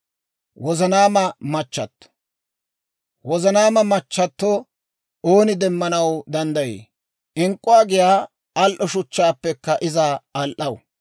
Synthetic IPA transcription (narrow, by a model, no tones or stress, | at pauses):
wɔzɐnaːmɐmɐt͡ʃːɐt̪ː | wɔzɐnaːmɐmɐt͡ʃːɐt̪ːo | oːnɪd̪ɛmːɐnɐwd̪ɐnd̪ɐjḛː | ʔɪŋkʼːʊwaːɡɪjaː | ɐlʔɔʃʊt͡ʃːaːpːɛkːɐʔɪzaɐlʔɐw